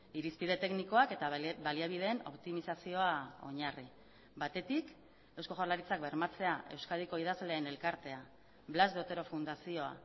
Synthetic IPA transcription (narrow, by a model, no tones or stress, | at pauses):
iɾispið̞e̞t̪e̞kniko̞ake̞t̪abaliaβ̞ið̞e̞ːno̞̰pt̪imisasio̞ao̞̰ɲari | bat̪e̞t̪ik | e̞wsko̞ʝoɾlaɾit͡sak̚be̞ɾmat͡se̞aʔe̞wskaðiko̞ið̞azleːne̞lkaɾt̪e̞a | βlazdot̪e̞ɾo̞fund̪asio̞a̰